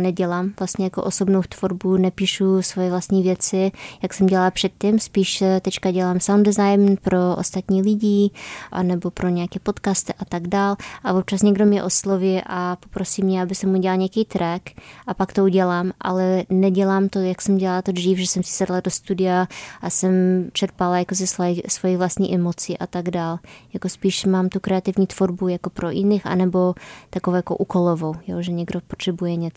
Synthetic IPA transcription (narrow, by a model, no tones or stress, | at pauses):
nɛɟɛlaːmvlast̪ɲɛjakoʔoso̞bnowt̪v̥oɾbunɛpiːʃusvojɛvlast̪ɲiːvjɛt͡sɪjaksɛmɟɛlalpr̝̥ɛt̪̚cimspiːʃt̪ɛt͡ʃkaɟɛlaːmsawmndɛzajmpɾoʔo̰st̪at̪ɲiːlɪɟiːʔa̰nɛbo̞pɾoɲɛakɛːpo̞t̪kast̪ɪʔat̪aɡdaːlʔavop̚t͡ʃasɲɛɡdomɲɛʔosloviːʔapopɾosimɲɛabɪsɛmːuɟɛalɲɛakijt̪ɾɛkʔapakt̪ouɟɛlaːmʔa̰lɛnɛɟɛlaːmt̪ojaksɛmɟɛlalat̪od̪riːfʒɛsɛmsɪ̥sɛdladost̪udɪaʔasɛmt͡ʃɛɾpalajakos̬ɪsvasvojivlast̪ɲḭʔɛmot͡siʔat̪aɡdaːljakospiːʃmaːmt̪ukɾɛat̪ɪvɲiːt̪v̥oɾbujakopɾoʔɪnɪxʔa̰nɛbot̪akovojakoʔukolovowjoʒɛɲɛɡdopot̪r̥ɛbujɛɲɛt͡s